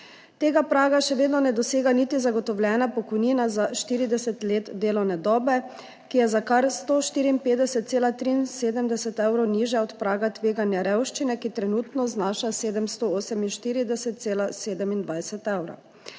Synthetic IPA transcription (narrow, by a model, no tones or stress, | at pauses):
t̪eːɡapɾaːɡaʃɛʋeːd̪nɔnɛd̪ɔseːɡanit̪izaɡɔt̪ɔwljɛːnapɔkɔjniːnazaʃt̪iːɾid̪ɛsɛt̪leːt̪d̪eːlɔwnɛd̪ɔːbɛ | kijɛzakaɾst̪oːʃt̪iːɾiːmpeːt̪d̪ɛsɛt̪̚seːlat̪ɾiːnseːd̪əmd̪ɛsɛt̪ɛwɾɔwniːʒjaɔt̪pɾaːɡat̪ʋeːɡanjaɾɛwʃt͡ʃinɛkit̪ɾɛnuːt̪nɔznaːʃaseːd̪ɛmst̪ooːsɛminʃt̪iːɾid̪ɛsɛt̪̚seːlaseːd̪ɛmind̪ʋajsɛt̪ɛwɾɐ̰